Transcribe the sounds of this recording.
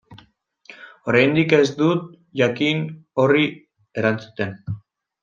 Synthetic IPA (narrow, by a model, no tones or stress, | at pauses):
o̞ɾajnd̪ike̞zd̪ut̪ | ʝakino̞ri | e̞ɾant͡su̥t̪e̞n